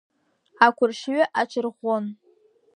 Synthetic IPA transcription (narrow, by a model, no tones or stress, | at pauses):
akʷʰʊrʃɥɪʔat͡ʃʰɨrʁʷon